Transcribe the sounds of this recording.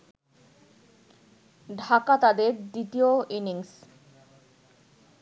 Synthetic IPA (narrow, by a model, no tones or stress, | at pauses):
ɖʱakat̪ad̪eɾɖiʈioiniŋs